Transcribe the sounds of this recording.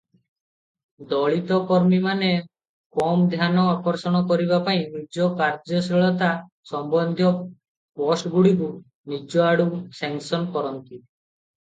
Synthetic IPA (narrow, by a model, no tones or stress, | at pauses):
d̪ɔɭit̪ɔkɔɾmimane | kɔmd̪ʱjanɔakɔɾsɔɽ̃ɔkɔɾibapaĩnid͡ʒɔkaɾd͡ʒɔsɾiɭɔt̪a | sɔmbɔnd̪ʱjɔ | pɔsʈɡuɽik̬u | nid͡ʒɔaɽusɛŋsɔnkɔɾɔnt̪i